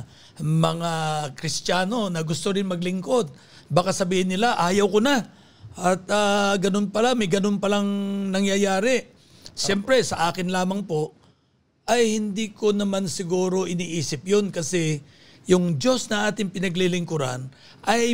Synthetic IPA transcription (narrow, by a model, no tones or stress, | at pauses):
mɐŋakɾɪst̪aːno̞nɐɡʊst̪oɾɪnmɐɡlɪŋko̞d̪̚ | bakasɐbiːhɪnːɪlaʔaːjɐwkona | ʔɐt̪aɡɐno̞npɐlamɐjɡɐno̞npɐlaŋnɐŋjɐjaːɾɪ | ʃɛmpɾɛsɐʔaːkɪnlaːmɐŋpo̞ | ʔɐjhɪnd̪iːko̞nɐmansɪɡuːɾo̞ʔɪniːʔiːsɪpjonkɐsɛ | jʊŋd͡ʒo̞snɐʔaːt̪ɪŋpɪnɐɡlilɪŋkʊɾa̰n | ʔɐj